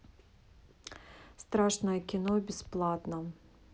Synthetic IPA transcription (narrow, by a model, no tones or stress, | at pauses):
st̪ɾaʂnɐjɐkʲinɔbʲɪsplˠat̪nɐ